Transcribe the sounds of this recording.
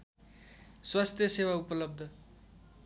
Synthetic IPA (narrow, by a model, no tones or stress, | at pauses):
swast̪ʰjʌsewaupʌlʌb̚d̪ʱʌ